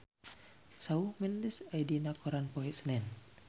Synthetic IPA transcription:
saumindisajdinakʰɔɾanpɔɛsənɛn

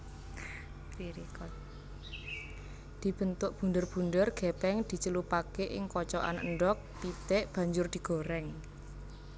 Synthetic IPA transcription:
iɾik | d̪̥i̤b̥ə̤nt̪ʊʔb̥ṳnɖərb̥ṳnɖərɡ̥epɛŋd̪̥i̤t͡ʃəlupakeʔɪ̰ŋkɔt͡ʃɔʔa̰nə̰ɳɖɔk̚pit̪ɛʔb̥ä̤ɲd͡ʒʊrd̪̥i̤ɡ̥o̤ɾɛŋ

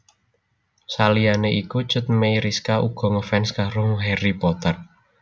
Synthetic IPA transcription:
salianeʔiku̥t͡ʃə̤t̪̚mejɾiskaʔuɡ̥ɔ̤ŋəfɛnskaɾoŋɦeripɔt̪ər

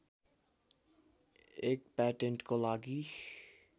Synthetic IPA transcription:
eːk̚pɛːʈə̃ɳʈkolaːɡiː

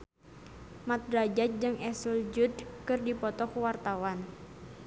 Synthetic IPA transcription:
mat̪̚ɾad͡ʒat̪̚d͡ʒɨŋʔɛsəld͡ʒud̪kɨrdipɔt̪ɔkuwart̪awan

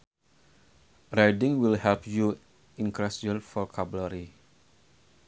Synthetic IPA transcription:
rajdĩŋwilhɛlpju | ĩnkɾɛsɔ̃nfɔkʰabləɾi

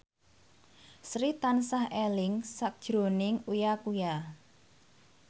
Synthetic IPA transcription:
sɾit̪ansahelɪŋsak̚d̥ʒ̥ɾo̤nɪŋujakuja

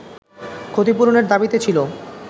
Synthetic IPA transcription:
kʰot̪ipuɾoneɾd̪abit̪et͡ɕʰilo

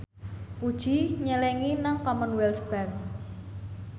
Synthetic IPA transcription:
kud̥ʒ̥i̤ɲəlɛŋinaŋkɔmənwɛlt̪b̥aŋ

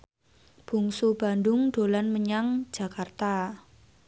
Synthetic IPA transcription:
b̥ṳŋsub̥a̤ndʊŋɖ̥o̤lanməɲaŋ̥d͡ʒ̥a̤kart̪a

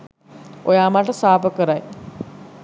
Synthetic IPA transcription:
ojaːmaʈɐsaːpəkəɾaj

